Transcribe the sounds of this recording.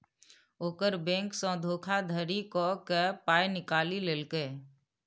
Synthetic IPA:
oːkəɾbẽːŋksɔ̃ːd̪ʱoːkʰad̪ʱəɾikokepaːjnɪkaːlileːlke

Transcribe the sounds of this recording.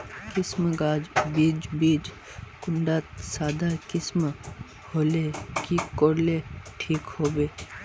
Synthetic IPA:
kɪsmɡaːd͡ʒbiːd͡ʒbiːd͡ʒ | kʊɳɖaːt̪saːd̪akɪsm | hoːlekiːkoːɾleʈʰiːkhoːbeː

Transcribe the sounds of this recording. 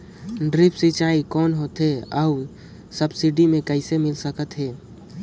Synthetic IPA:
ɖɾɪpsit͡ʃaːikɔːnɦoːt̪ɦeəː | səbsɪɖimẽkəɪsemɪlsəkət̪ɦɛː

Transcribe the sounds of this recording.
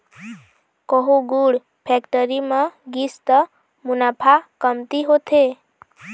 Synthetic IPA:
kɔɦuɡuɽ | pʰekʈəɾiməɡist̪ə | munapʰakəmt̪iɦot̪ʰe

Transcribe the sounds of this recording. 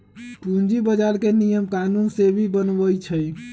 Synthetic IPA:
ũnd͡ʒibəd͡ʒalkenijəmkanunsebʱibənbəjt͡ʃʰəj

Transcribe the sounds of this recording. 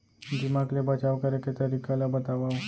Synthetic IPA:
dimaklebat͡ʃaʋkaɾeket̪əɾikalabət̪aʋaʋ

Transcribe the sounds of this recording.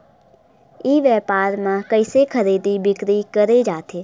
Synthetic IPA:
iːʋɛːpaːɾmãkəɪsekʰəɾeːd̪ibɪkɾikəɾed͡ʒaːt̪ʰeː

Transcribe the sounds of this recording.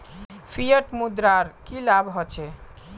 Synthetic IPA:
pʰijəʈmud̪ɾaɾkilabɦɔt͡ʃʰe

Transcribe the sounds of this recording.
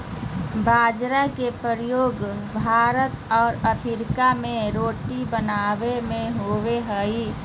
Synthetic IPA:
baːd͡ʒɾakepəɾjoːɡbʱaːɾət̪ɔːɾəpʰɪɾɪkamẽɾoːʈibənaːwemẽɦoweɦəi

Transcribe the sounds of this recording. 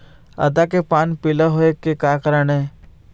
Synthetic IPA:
ɐ̰d̪akepaːnpɪləɦoekekaːkəɾəne

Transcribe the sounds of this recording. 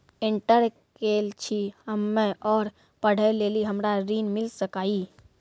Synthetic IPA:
ɪ̃ɳʈəɾ | keːlt͡ʃʰihəmːẽʔɔːɾ | pəɽ̤əjleːliɦəmɾaɾiːnmɪlsəkaːiː

